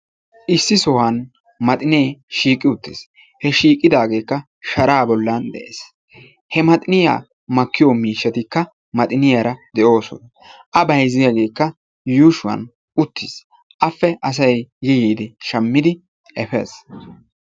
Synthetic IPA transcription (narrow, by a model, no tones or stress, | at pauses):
ʔɪsːɪsɔhɐn | mɐt̪ʼɪneːʃiːkʼːɪʊt̪ːɪs | hɛʃiːkʼːɪd̪aːɡe̞ːkːɐ | ʃɐɾaːbɔlːɐnd̪ɛ̰ʔḛːs | hɛmɐt̪ʼɪnɪja̰ː | mɐkːɪjoɔmiːʃːɐt̪ɪkːɐ | mɐt̪ʼɪnɪjaɾɐd̪ɛʔo̞ːsɔ̰nɐ | ʔɐbɐjzɪjaɡe̞ːkːɐ | juːʃʊwɐ̰n | ʔʊt̪ːɪs | ʔɐfːɛʔɐs̬ɐjːɛjiːd̪ɪʃɐmːɪd̪ɪ | ʔɛfḛːs